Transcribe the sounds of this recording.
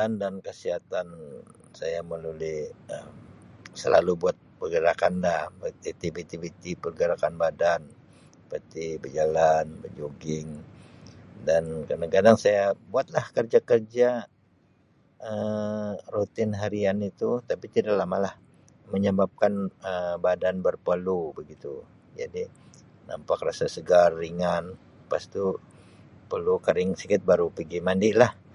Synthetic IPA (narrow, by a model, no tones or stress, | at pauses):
andankəsiat̪an | sajaməlulɪəmsə̰lʔa̰lubuat̪̚pərɡəɾakandabət̪it̪ibet̪ibit̪ipərɡəɾakanbadan | pət̪ibərd͡ʒalanbərd͡ʒoɡɪŋ | dankənaɡadaŋsajabuat̪̚lahkərd͡ʒakərd͡ʒa | ə | rot̪ɪnɦaɾianit̪ut̪apit̪idalamalah | məɲəbap̚kanəbadanbərpəlubəɡit̪u | d͡ʒa̰di | na̰mpakrasasəɡarːiŋan | past̪u | pəlukaɾɪŋsikɪt̪̚baɾupəɡimandɪʔlah